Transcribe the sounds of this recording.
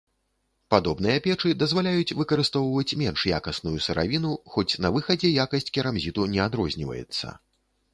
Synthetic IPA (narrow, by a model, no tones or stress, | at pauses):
pad̪ɔbn̪ɨjɐpʲɛt͡ʂɨd̪ɐzvalʲajut͡sʲvɨkɐɾɨst̪ɔwvɐt͡sʲmʲɛnʂja̰kɐsnujusɐɾa̰vʲin̪uxɔt͡sʲnɐvɨxɐd͡zʲɛjakɐsʲt͡sʲkʲɛɾɐmzʲit̪unʲɛad̪ɾɔzʲnʲivɐ̰jɛ̰t̪sːɐ̰